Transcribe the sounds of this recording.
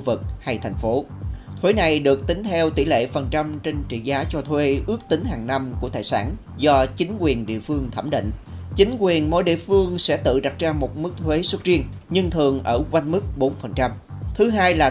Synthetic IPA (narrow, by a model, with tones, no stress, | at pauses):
vɨ˨˩k̚ha˧jt̪ʰa˨˩jŋ̟fo˨˦ | t̪ʰwe˨˦na˨˩jɗɨ˨˩ək̚t̪ï˨˦ŋ̟t̪ʰɛ˧wt̪i˧˩lḛ˧˨fə˨˩nt͡ɕa˧mt͡ɕe˧nt͡ɕḭ˧˨zaː˨˦t͡ɕɔ˧t̪ʰwe˨˦ʔɨ˦˥ək̚t̪ï˨˦ŋ̟ɦaː˨˩ŋna˧mku˧˩ət̪aː˨˩jsa̰ː˧˩n | zɔ˧t͡ɕï˨˦ŋ̟kwi˨˩ənɗḭ˧˨əfɨ˧əŋt̪ʰə˧˩mɗḭ˧˨ŋ̟t͡ɕï˨˦ŋ̟kwi˨˩ənmo̰˧˥jɗḭ˧˨əfɨ˧əŋsɛ̰˧˥t̪ɨ̰˧˨ɗa˨˩t̚t͡ɕaː˧mo˨˩t̚mɨ˦˥k̚t̪ʰwe˨˦swə˦˥t̚t͡ɕi˧əŋ | ɲɨ˧ŋt̪ʰɨ˨˩əŋʔəː˧˩kwa˧jŋmɨ˦˥k̚ɓo˨˦nfə˨˩nt͡ɕa˧m | t̪ʰɨ˨˦ɦaː˧jlaː˨˩